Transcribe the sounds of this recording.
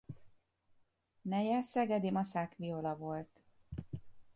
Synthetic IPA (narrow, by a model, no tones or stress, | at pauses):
nɛjɛsɛɡɛd̪emɒsakviolɒvo̞lt̪